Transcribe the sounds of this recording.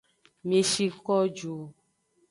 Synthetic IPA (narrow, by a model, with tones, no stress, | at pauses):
mẽ˨ʃi˧kɔ˦d͡ʒo˨